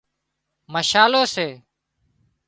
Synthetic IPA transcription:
məʃaːloːseː

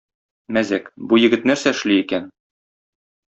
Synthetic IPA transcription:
mæzækbujɘ̆ɡɘt̪̚næɾsæɘ̆ʃliikæn

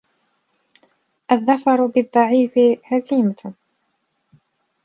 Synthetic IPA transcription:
ʔaðːɑfɑɾˤbɪðˤːɑʕiːfɪhaziːma

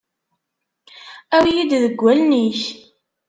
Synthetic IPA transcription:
æwjid̪ðəɡʷːælniç

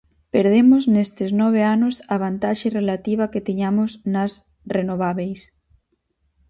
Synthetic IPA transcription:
peɾð̞emoznest̪ɪznɔβ̞eanʊsaβ̞ant̪aʃerelat̪iβ̞ɐket̪eɲamosnas | renoβ̞aβejs

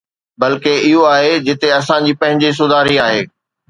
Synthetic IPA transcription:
bɐlkeɪɦoaːɦed͡ʑɪt̪eɐsãd͡ʑiːpɐ̃ɦɪ̃ɲd͡ʑis̬ʊd̪ʱaːɾiaːɦeː

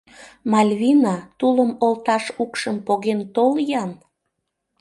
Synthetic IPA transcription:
mɑlʲβʲinɑt̪uləmolt̪ɑʃukʃəmpoɣent̪oljɑn

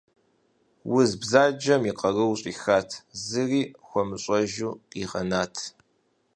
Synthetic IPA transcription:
wʊzbzaːd͡ʒɐmiqɐrɨwɕʼiːxaːtʰzɨriːxʷɔmɨɕʼɐʒuːiʁɐ̰naːtʰ

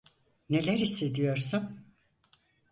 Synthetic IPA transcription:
ne̞lʲæɾist̪e̞d̪ijo̞ɾsun

